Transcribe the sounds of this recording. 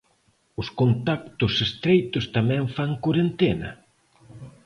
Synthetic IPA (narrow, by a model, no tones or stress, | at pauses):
ʊskont̪ak̚t̪ʊsest̪ɾejt̪ʊst̪amɛ̃ɱfaŋkoɾent̪enɐ̰